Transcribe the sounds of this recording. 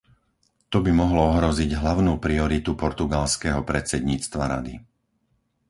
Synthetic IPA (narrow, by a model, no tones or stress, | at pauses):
t̪ɔbimɔɦlɔɔɦɾɔziɟɦlaʊnuːpɾiɔɾit̪upɔɾt̪uɡalskɛɦɔpɾɛt͡sɛd̪ɲiːt͡st̪ʋaɾa̰d̪ḭ